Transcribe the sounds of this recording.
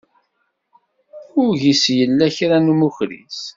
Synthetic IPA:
ʊɾʝisjəlːæçɾænumuçɾḭs

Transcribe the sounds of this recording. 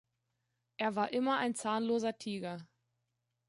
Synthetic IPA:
ʔeːɐvaːɐʔɪmɐʔaɪnt͡saːnloːzɐtʰiːɡɐ

